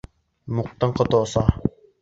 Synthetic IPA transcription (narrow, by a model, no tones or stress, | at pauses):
muq̚t̪aŋqɔt̪ɔːsa